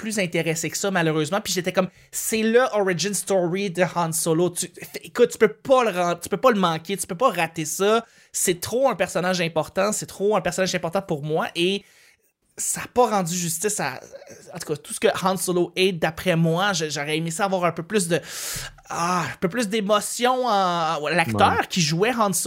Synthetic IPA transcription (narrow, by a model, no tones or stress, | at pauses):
plyzɛ̃t̪eʁeseksʌmaløʁøzmɑ̃piʒet̪ɛkɔm | sɛləʔɔʁiʒɪnst̪ɔɹid̪əhɑ̃nsolot̪yfekʊt̪̚t̪y̥pøpʌləʁɑ̃t̪y̥pøpʌləmɑ̃kʲet̪y̥pøpɔʁat̪esʌ | sɛt̪χoɛ̃pɛʁsɔnaʒɛ̃pɔʁt̪ɑ̃sɛt̪χoɛ̃pɛʁsɔnaʒɛ̃pɔʁt̪ɑ̃puʁmwaʔe | saːpʌʁɑ̃d͡z̪yʒyst̪ɪsa̰ɑ̃t̪u̥kʌt̪u̥sə̥kəhɑ̃nsoloɛd̪apχɛmwaʒəʒaʁɛemisʌavwaːʁɛ̃pøplʏs̬d̪ə | aɛ̃pøplʏs̬d̪emɔsjɔ̃ | lakt̪œːʁkʲʰiʒuɛɦɑ̃ns